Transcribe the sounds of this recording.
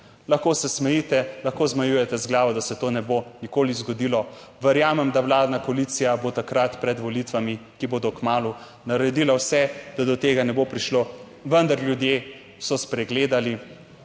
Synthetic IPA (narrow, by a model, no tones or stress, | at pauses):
lɐxkoːsɛsmɛjit̪ɛlɐxkoːzmajujɛt̪ɛzɡlaːʋɔd̪asɛt̪oːnɛbonikoːlizɡɔd̪iːlɔʋɛɾjaːmɛmd̪awlaːd̪nakɔlit̪sijabot̪akɾat̪pɾɛd̪ʋɔlit̪ʋamikiboːd̪ɔkmaːlu | naɾɛd̪ilawsɛd̪̥ad̪ɔt̪eːɡanɛbopɾiʃlo | ʋənd̪aɾljud̪je | sɔspɾɛɡleːd̪ali